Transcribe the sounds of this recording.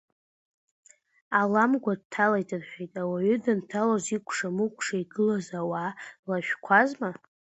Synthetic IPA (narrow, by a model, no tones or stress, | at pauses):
alamɡʷad̚tʰalajtʰʼɨrħʷᶣejtʼawaɥʏdɨntʰalozikʷʰʼʂamukʷʰʼʂaiɡɨlazawalaʃᶣkʷʰazma